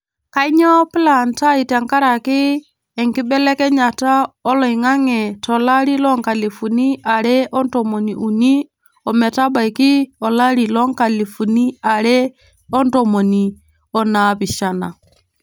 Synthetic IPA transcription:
ka˦i˦ɲɔ˦pɪ˦la˨nta˦i˨ta˨ŋka˦ɾa˨kɪː˦˨ | ŋkɪ˦bɛ˦lɛ˦kɛ˦ɲa˨ta˦ɔ˦lɔ˨i˨ŋa˦ŋɛ˨tɔ˨la˦ɾi˦lɔ˦ŋka˨li˨fu˨ni˦ʔa˨ɾɛ˦ʔɔ˦ntɔ˨mo˨ni˨ʔu˨ni˦ | ɔ˨mɛ˨ta˦ba˨jkɪ˦ɔ˨la˦ɾi˨lɔ˦ŋka˨li˨fu˨ni˦a˨ɾɛ˦ | ɔ˦ntɔ˨mo˨ni˨ | ɔ˦na˨pɪ˨ʃa˨na̰˨

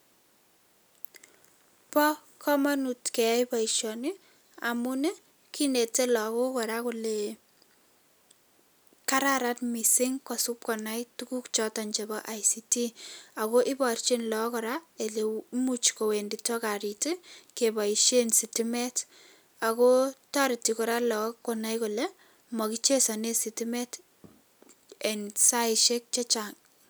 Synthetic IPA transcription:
pɔ˦ | kʰɔ˦manu˨tke˨a˦jpa˨iʃjɔnɪ | a̰mune˦ | kine˨te˦lɔ˨ko˦kɔ˨ɾakule | ka˦ɾaɾatmi˨si˦ŋkɔ˨su˦p̚kɔ˨na˦jtuku˦kt͡ʃɔtɔ˨ɲt͡ʃe˨bɔ˦ʔa˨jsiti˦ako˦ʔɪ˦bɔ˨ɾt͡ʃenlɔkɔɾae˨lemut͡ʃko˨we˨nditɔ˦ka˨ɾitikeba˨iʃe˦nsitimɛ˦t | akotaɾi˨tikɔ˨ɾalɔkːɔna˦jkɔlɛ | mɔ˨kit͡ʃe˦sɔ˨ne˦sitimɛ˦t | ɛ˨nsa˦ɪʃe˦k̚t͡ʃe˦t͡ʃaŋ

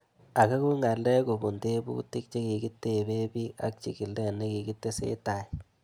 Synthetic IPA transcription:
a˨ka˦ku˦ŋa˨lɛ˦ko˨bu˨nte˦bṵ˦ti˦k̚t͡ʃe˦ki˨ki˦tːe˨be˦bi˦a̰˦k̚t͡ʃi˨ki˨lɛ˦ne˦ki˨ki˦tːe˦sḛ˦ta˨j

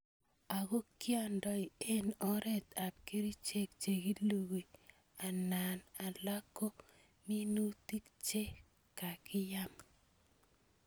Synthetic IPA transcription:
a˨ɣo˦kja˦ndɔ˦i˨e˦nɔ˦ɾɛ˦˨t̪a˨p̚ki˦ɾi˦t͡ʃe˦kt͡ʃe˨ɡi˦lu˦˨ɣe˨ | a˨na˨na˨la˦ko˦ | mi˦nu˦ti˦kt͡ʃe˦ | ka˨kɪ˦ja˦m

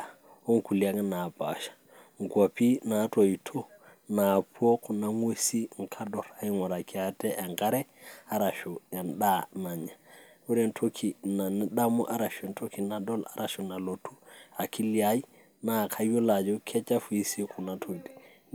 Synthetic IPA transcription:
o˦ŋ˦ku˨lia˦ŋ˦na˨pa̰˨ʃḁ˨ | ŋɡwa˨pi˦na˨˦to˨i˨tʰo˦ | na˨pu˦o˦ku˨na˨ŋwe˦si˦ŋ̩˨kʰa˦dɔ˨ɾa˨i˦ŋɔ˨ɾa˨ki˨a˨tɛ˦ʔa˨ŋka˦ɾɛ˦a˦ɾa˨ʃo˨ja˨nɗa˦na˨ɲa˨u˦ɾe˨ntʰo˦kʰi˨na˨ni˦ɗa˦mṵ˦ʔa˦ɾa˨ʃe˨nto˦ki˨na˨dɔ˦la̰˨ɾa˨ʃo˨na˨lo˨tʰu˦a˨kʰi˦li˦a˦i˦ | na˦˨kʰa˦jo˦la˨d͡ʒo˦kʰɛ˦t͡ʃa˦fu˨i˦si˦kʰu˨na˨tʰo˨di̥˨

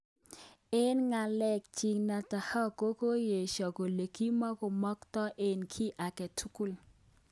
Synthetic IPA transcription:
e˦nŋa˨lɛ˦k̚t͡ʃi˨ŋna˨ta˨hɔ˦ko˦ko˦je˨ʃɔ˨ko˨le˨ki˦mɔ˦kɔ˨mɔ˦ktɔ˦ʔe˨nkʰi˦ʔa˨kɛ˨tʰu˦ku˦l

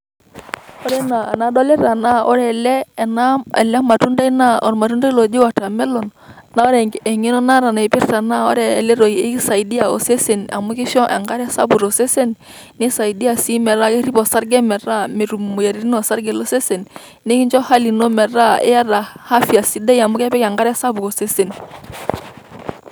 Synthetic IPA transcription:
ɔ˦ɾɛ˦na˨na˨˦ɗɔ˦lɛ˦ɾa˨na˦ɔ̰˦ɾɛ˨lɛ˦˨na˦ɛ˨lɛ˦ma˨tu˦nda˦i˦na˦ɔ̰˨ɾma˨tu˦nda˦i˦lɔ˨d͡ʒe˦wa˨ta˨mɛ˦lɔ˨n | na˦ɔ˦ɾɛ˨ŋɡɛ˨ŋe˦nɔ˦na˦ɾa˨na˨i˨pɪ˦ɾta˨na˦ɔ̰˦ɾɛː˨lɛ˦ɾo˨i˨e˦ki˦sa˨i˨di˦a˨o˨se˦se˨na̰˨mu˦ki˦ʃɔ˦ʔɛ̰˨ŋɡa˦ɾɛ˦sa̰˦bu˨ɾo˨se˦se˦n | nɪ˦sa˨i˨di˦a˨si˦mɛ˨ɾa˦ke˦ɾi˦pɔ˨sa˦ɾɡɛ˦mɛ˨ɾa˦me˨ɾu˨m˨u˨ja˨ɾi˦ɾi˦nɔ˨sa˦ɾɡɛ˨lo˦se˦se˨n | ne˦ki˦ɲd͡ʒɔ˦ha˦li˨no˦mɛ˨ɾa˦ḛ˦ja˦ɾa˨ha˦fi˨a˨si˦dɛ˦ja˨mʊ˦kɛ˦pɛ˦ka˨ŋɡa˦ɾɛ˦sa˦bu˨ɾo˨se˦se˨n

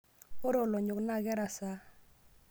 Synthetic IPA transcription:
o˦ɾo˨lɔ˨ɲʊ˨kna˦˨ɡɛ˦ɾa˨sa˦

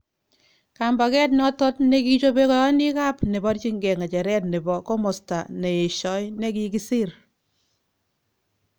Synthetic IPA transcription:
ka˨mba˨kɛ˦t̬nɔ˦tɔ˦tne˦ki˦t͡ʃo˦be˦kɔ˦jɔ˦ni˦ka˦pne˨bɔ˦ɾt͡ʃi˦ŋɡɛ˨ŋa˨t͡ʃɛ˨ɾɛ˦tne˨bɔ˨ko˦mɔ˨sta̰˨ne˨je˨ʃɔ˨˦jne˦ki˦ki˦si˦ɾ

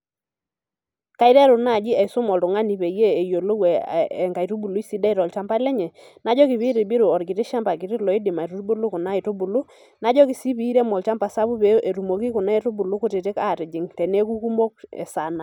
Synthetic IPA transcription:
ka˨˦ɪ˦ɾɛ˦ɾʊ˨na˦˨d͡ʒɪ˦ɛ˨sʊ˦mɔ˨ltʊ˨ŋa˦ni˨pe˨jeː˦˨jo˨lo˦wɛː˨ŋɡa˨i˨tu˦bu˨lu˨˦i˦si˦da˦˨ɾɔ˨lt͡ʃa˦mpa˦lɛ˦ɲɛ˨ | na˦d͡ʒɔ˦kɪ˨pɪ˦ɾɪ˨bɪ˦ɾu˨ɔ˨ɾkɪ˨tɪ˦ʃa˦mba˨kɪ˨ɾɪ˦lɔ˨ɪ˦dɪ˨ma˨ɾu˦ɾbʊ˦lʊ˦kʊ˨na˦ɪ˨tʊ˦bu˨lʊ˦ | na˦d͡ʒɔ˦kɪ˨si˦pi˨˦ɾɛ˦mɔ˨lt͡ʃa˦mpa˨sa˦βu˦pe˦ʔe˨ɾu˨mo˨ki˦kʊ˨na˦e˨ɾʊ˦bʊ˨lʊ˦kʊ˦tɪ˨tɪ˦ka˦˨tɪ˨d͡ʒɪ˨ŋtɛ˨ne˦ku˦ku˦mo˦k̚ɛ̰˨sa˨na˨

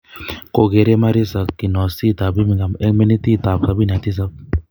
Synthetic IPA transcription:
ko˨ɡe˨ɾe˦ma˦ɾi˦sa˨kːi˨nɔ˨si˦˨t̪a˨bi˦mi˨ɡa˨mɛ˦me˦ni˦t̪i˦˨t̪a˨psa˨˦bi˦na˨t̪i˦s̬a˦p̚

